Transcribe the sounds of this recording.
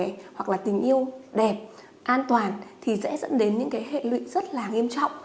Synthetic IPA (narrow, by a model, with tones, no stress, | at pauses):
ɛ˨˩hwa˨˩k̚laː˨˩t̪ï˨˩ŋ̟ʔi˧əwɗɛ˨˩p̚ | ʔaː˧nt̪waː˨˩nt̪ʰi˨˩sɛ̰˧˥zə̰˧˥nɗe˨˦nɲɨ̰˧˥ŋkaː˨˦jɦḛ˧˨lwḭ˧˨zə˦˥t̚laː˨˩ŋi˧əmt͡ɕɔ̰˧˨wŋ͡m